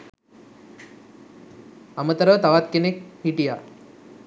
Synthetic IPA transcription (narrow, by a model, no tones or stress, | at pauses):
ɐmət̪əɾəʋt̪ɐʋat̪̚kinek̚hiʈija